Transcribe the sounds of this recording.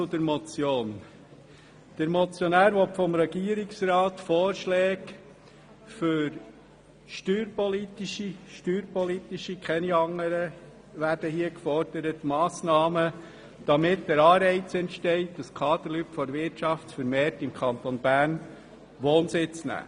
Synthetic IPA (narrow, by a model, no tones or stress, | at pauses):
t͡sʊd̪əɾmɔt͡sjoːn | d̥əɾmɔt͡sjɔnæːɾʋɔtfɔmɾɛɡ̥iːəɾɪksɾɑːt̪foːɾʃlɛːk | fʏɾ | ʃtyːɾpɔlitiʃiʃtyːɾpɔlit̪iʃikχɛniɑŋːəɾə | ʋæɾd̥əhiəkfɔɾd̥əɾətmɑːsnɑːmə | d̥ɑmɪtdəɾɑːɾɛɪt͡sɛntʃtɛɪt̚dɑskʰɑːd̪əɾlytfɔɾʋɪɾtʃɑftsfəɾmeːtɪmkʰχɑnt̪ɔnb̥æːɾn | ʋoːnsɪt͡snæ̰ː